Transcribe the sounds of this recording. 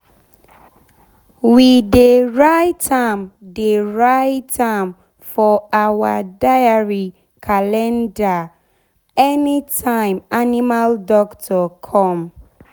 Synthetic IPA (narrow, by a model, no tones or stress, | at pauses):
wideɹaɪtʰãmdeɹaɪtʰãm | fɔawadajaɹi | kʰalɛ̃nda | ɛnitʰãɪ̃manimaldɔktʰɔkʰɔ̃m